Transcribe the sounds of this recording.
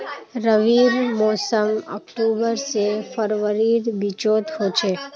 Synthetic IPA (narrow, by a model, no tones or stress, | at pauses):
ɾəʋiɾmɔsəmɔ̰kʈubəɾsefəɾʋəɾid̪bit͡ʃot̪ɦot͡ʃʰe